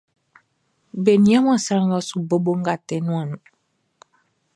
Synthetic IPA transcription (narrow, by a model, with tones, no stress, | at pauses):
be˨nĩ˨˦ã˦m˦ã˦˨sa˦ã˦ŋɡɔ˦su˨bo˦bo˦ŋ̩˦ɡa˨tɛ˨˦nũ˦ã˨nũ˨